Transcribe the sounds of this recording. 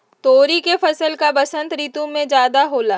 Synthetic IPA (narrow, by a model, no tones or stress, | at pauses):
t̪oːɾikefɐsəlkabɐsə̃nt̪ɾiːt̪ũmẽd͡ʒjaːd̪aɦoːlaː